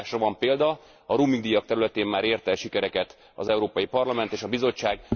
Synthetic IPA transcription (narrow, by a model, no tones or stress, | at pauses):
ʃɒvɒmpeːld̪ɒ | ɒɾuːmiŋɡd̪ijɒk̚t̪ɛɾylɛt̪eːmːaːɾeːrt̪ɛlʃikɛɾɛkɛt̪ | ɒ̰zɛuɾoːpɒjipɒrlɒmɛnt̪eːʃɒbizo̞t͡ʃːaːɡ